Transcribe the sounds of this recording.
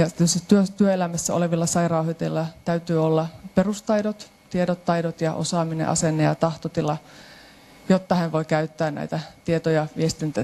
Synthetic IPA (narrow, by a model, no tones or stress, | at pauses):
jɑt̪øsit̪yøt̪yøelæmæsːæo̰leʋilːɑsɑirɑuhit̪elːɑt̪æyt̪yːolːɑperust̪ɑjdot̪ | t̪iedot̪ːɑidot̪jɑʔo̰sɑːminḛʔɑ̰senːejɑ̰t̪ɑht̪ot̪ilɑ | jot̪ːɑhænʋoikæyt̪ːæːnnæ̰it̪æt̪iet̪ojɑʋiest̪int̪æ